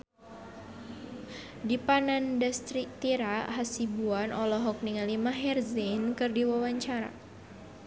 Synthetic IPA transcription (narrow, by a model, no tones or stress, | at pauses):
dipanandast̪ɾik̚t̪iɾaɦasibuanɔlɔɦɔk̚niŋalimaɦɛrzinkɨrdiwawaɲt͡ʃaɾa̰